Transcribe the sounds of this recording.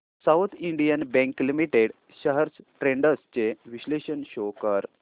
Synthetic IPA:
sawt̪ʰiɳɖijənbɛ̃ŋklimiʈeɽ | ɕəɦəɾsʈɾeɳɖəst͡ɕeʋiɕleɕənɕokəɾ

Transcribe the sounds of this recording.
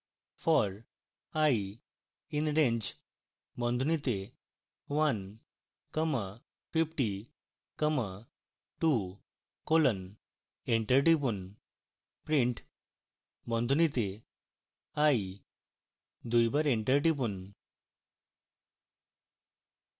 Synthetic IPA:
fɔɾ | ai | inɾẽɲd͡ʑ | bɔ̃nd̪ʱunit̪e | ʋan | kəmə | fifʈi | kəmə | ʈu | kolən | eɳʈəɾʈip̬un | pɾiɳʈ | bɔ̃nd̪ʱunit̪e | ai | d̪ujbəɾeɳʈəɾʈip̬un

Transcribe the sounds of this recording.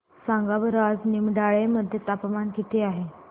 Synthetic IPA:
sãŋɡabəɾad͡znimɖaɭeməd̪ʱjet̪apəmankit̪eaɦe

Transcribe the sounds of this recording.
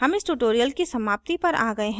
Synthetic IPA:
ɦɐmɪsʈuʈoːɾijəlkisɐmaːp̚t̪ipɐɾʔa̰ːɡɐeɦɛ̃

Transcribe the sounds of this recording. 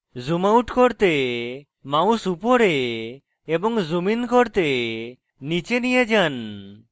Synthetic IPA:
zumauʈkoɾt̪e | maũsupoɾeː | bɔŋzuminkoɾt̪e | nit͡ʃenijed͡ʒan

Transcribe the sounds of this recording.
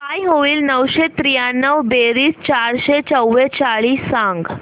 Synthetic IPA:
kajɦoʋiːlnəʋɕet̪ɾijanːəʋbeɾiːst͡ɕaɾɕet͡səwːet͡ɕaɭiːsãŋɡ

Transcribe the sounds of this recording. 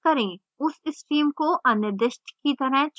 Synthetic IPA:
kɐɾẽː | ʊsɪsʈiːmkoʔɐnɪɾd̪ɪʃʈkit̪ɐɾəɦt͡ʃ

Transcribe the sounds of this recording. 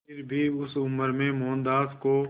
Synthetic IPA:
ɪɾbʱiʊsʊməɾmẽmɔːnd̪aːzko

